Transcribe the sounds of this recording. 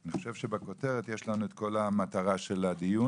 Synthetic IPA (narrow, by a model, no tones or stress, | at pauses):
niχo̞ʃe̞vʃebeko̞teʁet̪jeʃlanuet̪ko̞lamat̪aʁaʃeladiju